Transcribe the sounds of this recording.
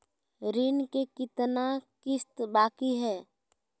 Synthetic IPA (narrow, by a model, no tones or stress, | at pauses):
ɾiːnkekɪt̪nakɪst̪baːkiɦɛː